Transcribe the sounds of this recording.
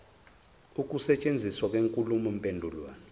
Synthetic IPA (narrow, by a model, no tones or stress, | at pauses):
uk̬ʼusɛt͡ʃʼend͡zʱiswak̬ʼweŋkʼulumɔmpʼendʱulwa̰ːni